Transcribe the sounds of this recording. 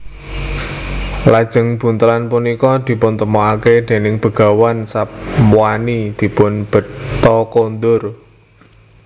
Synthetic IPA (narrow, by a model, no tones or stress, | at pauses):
lad̥ʒ̥ə̤ŋb̥ṳnt̪əɾanpunikɔd̪̥i̤pʊnt̪əmɔaked̪̥e̤nɪŋb̥ə̤ɡ̥ä̤wansapmuwanid̪̥i̤pʊnb̥ə̤t̪ːɔkond̪ʊr